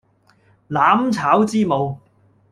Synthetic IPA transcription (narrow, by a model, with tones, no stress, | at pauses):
laː˨˥mt͡sʰaː˨˥wt͡siː˥mo˨˧w